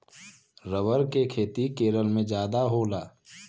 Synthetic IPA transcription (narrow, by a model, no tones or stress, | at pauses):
ɾəʋəɾkekʰeːt̪ikeːɾəlmẽd͡ʒjaːd̪aɦoːlaː